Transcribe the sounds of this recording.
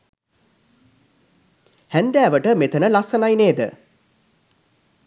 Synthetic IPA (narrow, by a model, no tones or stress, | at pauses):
hænd̪æːʋəʈəmet̪ənəlɐsənajneːd̪ə̰